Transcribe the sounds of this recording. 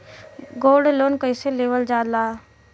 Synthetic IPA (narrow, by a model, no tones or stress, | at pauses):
ɡoːɖloːnkəɪseleːʋəld͡ʒaːlaː